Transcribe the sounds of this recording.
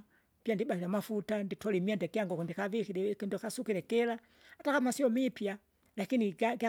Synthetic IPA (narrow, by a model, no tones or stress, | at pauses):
pjandiɓahiɾamafutanditɔlimiandɛkiaŋɡɔkundikavikiɾɛkindɔkasukiɾɛkɛla | atakamasiɔmipja | lakiniɡaɡa